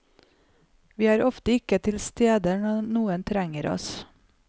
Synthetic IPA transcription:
ʋiːæːɾɔft̪əɪkət̪ʰɪlst̪eːd̪əɳɔnuːənt̪ʰɾæŋəɾɔ̰s

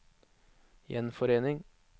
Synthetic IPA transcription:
jɛ̰nfɔɾeːnɪŋ

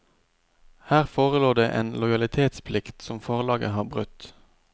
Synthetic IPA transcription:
hæːʁfoːʁəloːd̪ḛːʔḛːnlɔɪɑlɪt̪ʰeːt̪spʰlɪkt̪sɔmfɔːʁlɑːɡə̰hɑːʁbʁʉt̪

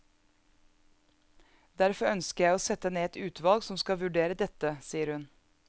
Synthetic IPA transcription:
d̪̥æɾfɔœnskəjæɪoːsɛt̪əneːɛt̪ʉːt̪ʰʋɑlɡsɔmskɑʋʉɖeːɾəd̪ɛt̪əsiːəɾhʉn

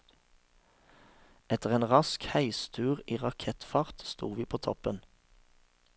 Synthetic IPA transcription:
ɛt̪əʁeːnʁɑskhæɪst̪ʰʉːʁiːʁɑkʰɛt̪fɑʁt̪st̪ṵːʋiːpʰoːt̪ʰɔpən

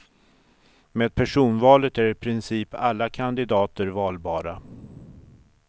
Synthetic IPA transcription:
meːd̪̚pʰæʂuːnvɑːlət̪æɾɪpʰɾɪnsiːpʰalːakʰand̪ɪd̪ɑːt̪əɾvɑːlbɑːɾa

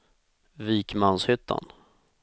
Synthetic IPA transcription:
viːkmanshʏt̪ʰːa̰n

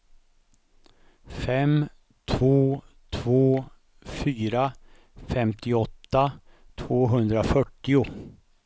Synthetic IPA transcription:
fɛm | t̪ʰvoː | t̪ʰvoː | fyːɾa | fɛmt̪ʰɪɔt̪ːa | t̪ʰvoːɦɵnd̪ɾafœʈːɪʊ

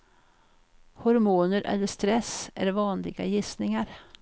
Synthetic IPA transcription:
hɔɾmuːnəɾʔɛ̰lːəʂt̪ɾɛsʔæɾvɑːnlɪɡa̰jɪsnɪŋaɾ

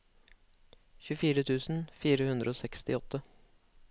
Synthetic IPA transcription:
çʉfiːɾət̪ʰʉːsn̩fiːɾəhʉnd̪ɾəoːsɛkst̪ɪɔt̪ʰːə

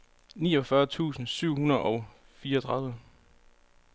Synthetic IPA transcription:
niːɒ̽fɶɐt͡sʰṵːsn̩syʊ̰hunɐðˠʔɒ̽ʊ | fiːɐt͡sʰʁɑ̈ðˠʋə

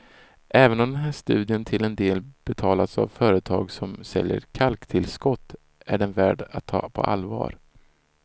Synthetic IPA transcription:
ʔɛːvənɔmd̪ɛnɦæːʂt̪ʉ̟ːd̪ɪənt̪ʰɪlɛnd̪eːlb̥ɛt̪ʰɑːlat̪sa̰vfœːɾət̪ʰɑːɡsɔmsɛljə̰ɾkʰalkt̪ʰɪlskɔt̪ː | æɖɛnvæːɖat̪ʰːɑ̰ːpʰɔ̰ʔa̰lvɑ̰ːɾ

